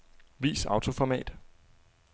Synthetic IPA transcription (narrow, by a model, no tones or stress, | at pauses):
ʋḭːsɑ̈ʊt͡sʰo̝fɒmɛ̰ːd̥